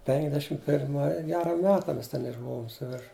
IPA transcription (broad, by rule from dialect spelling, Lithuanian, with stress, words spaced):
pʲɛŋɡˈdʲæːʃʲɪm pʲɪrˈmɐɪ ˈɡʲæːrɐ ˈmʲæːtɐ ˈmʲɛs ˈtʲɛn ɪʒˈbʊʋoːm sʊˈʋʲɪrʃ